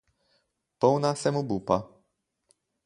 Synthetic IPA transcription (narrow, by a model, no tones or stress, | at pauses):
pownasemubupa